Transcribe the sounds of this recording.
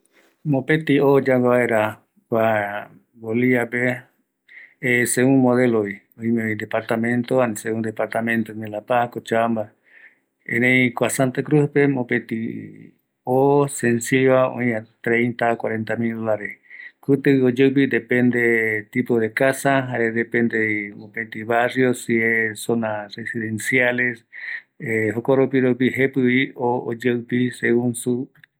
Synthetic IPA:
mõpet̪iod͡ʒaweβaeɾa | kʷa | ɡoliape | eseũmoðeloi | õĩmeid̪epaɾt̪amẽ̞nt̪oanseũnd̪epaɾt̪amẽnt̪onelapakot͡ʃamba | ḛ̃nẽĩkʷasant̪akɾuspe̞mõpet̪i | osensiβaõ̰j̃at̪ɾẽjnt̪akwaɾe̞nt̪amild̪olaɾeskɨt̪eiod͡ʒewp̬id̪epẽnd̪et̪ipoðekasaɦaɾed̪epend̪emõpẽnt̪iβarjosiesonaresiðensjale̞s | eɦokoɾopiɾopiɦepɨβiood͡ʒewpiseɣunsu

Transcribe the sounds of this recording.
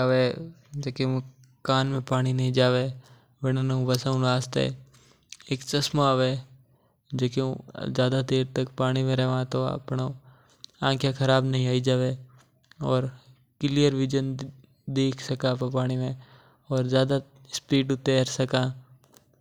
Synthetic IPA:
aʋeːd͡ʒɐkẽ | kaːnmẽpaːɽ̃inɐɦĩd͡ʒaːʋe | ʋɪnanũʋɐsəũaːst̪ḛ | eːkt͡ʃɐsmoaːʋeː | d͡ʒokeũzjaːd̪ad̪eːɾt̪əkpaːɽ̃imẽɾɛɦʋãt̪oɐ̰pno | ãːkʰjakʰɐɾaːbnɐɦĩaːid͡ʒaːʋe | ɔːɾ | kɪlijəɾʋɪd͡ʒən | d̪eːkʰsɐkãːppaːɽ̃imẽ | ɔːɾzjaːd̪a | spiːʈʊt̪eɾsɐkãː

